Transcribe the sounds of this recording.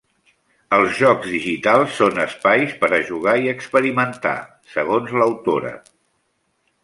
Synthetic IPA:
əlˠzʒɔɡzðiʒit̪alˠsːonəspajspəɾəʒuɣ̞aiəkspəɾimənt̪a̰ | səɣ̞onzləwt̪oɾə̰

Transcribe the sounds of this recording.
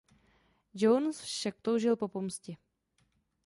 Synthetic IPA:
d͡ʒownsfʃak̚t̪owʒɪlpo̞pomscɪ

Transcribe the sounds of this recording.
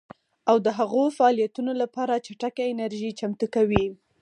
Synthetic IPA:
awd̪əɦaɣofaːlijat̪unolapɑɾat͡ʃaʈakaɪnaɾʒit͡ʃamt̪ukawi

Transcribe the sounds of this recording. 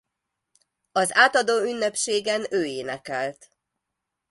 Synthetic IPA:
ɒzaːt̪ɒd̪oːynːɛpʃeːɡɛnøːeːnɛkɛlt̪

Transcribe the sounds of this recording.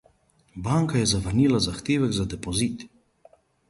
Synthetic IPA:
baŋkajɛzaʋəɾniːlazaxt̪eːʋɛɡzad̪ɛpɔziːt̪

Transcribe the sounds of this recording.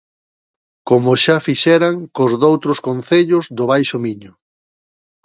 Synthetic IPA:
komʊʃafiʃɛɾaŋkʊzðowt̪ɾʊskonθeʎʊzðʊβajʃʊmiɲʊ

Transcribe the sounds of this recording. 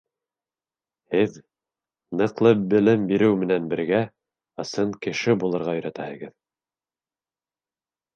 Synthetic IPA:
hɘð | nɤ̆qlˠɤbɘ̆lɘmbiɾɘwmɘ̆nænbɘ̆ɾɡæ | ɤ̆sɤɴkɘ̆ʃɘbulˠɤ̆ɾʁɑɵ̆jɾæt̪æhɘ̆ɡɘð

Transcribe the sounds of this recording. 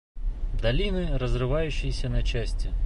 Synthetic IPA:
d̪ɐlʲinɪrɔzrɪʋɑjʊt͡ʃːɪjsʲɐnɐt͡ʃɛsʲtʲɐ

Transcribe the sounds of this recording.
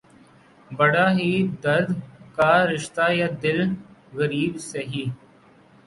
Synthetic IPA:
bəɽaːɦiːd̪əɾd̪kaːɾɪʃt̪aːjaːd̪ɪlɣəɾiːbseɦiː

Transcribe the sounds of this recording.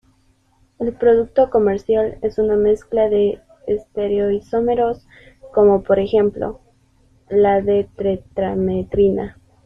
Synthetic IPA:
e̞lpɾo̞ðuk̚t̪o̞ko̞me̞ɾsjale̞suname̞sklaðe̞ː | st̪e̞ɾeo̞iso̞me̞ɾo̞s | ko̞mo̞po̞ɾe̞xe̞mplo̞̰ | laðet̪ɾet̪ɾamet̪ɾina

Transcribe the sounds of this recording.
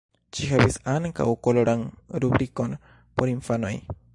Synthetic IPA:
t͡ʃiɦabisaŋka̰wkoloɾanɾubɾiko̞n | poɾinfano̞̰j

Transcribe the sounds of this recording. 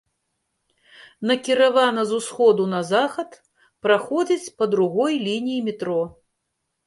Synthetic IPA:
nɐkʲiɾavanɐzusxɔd̪unɐzaxɐt̪ | pɾaxɔd͡zʲit͡sʲpɐd̪ɾuɣɔjlʲinʲijimʲit̪ɾɔ

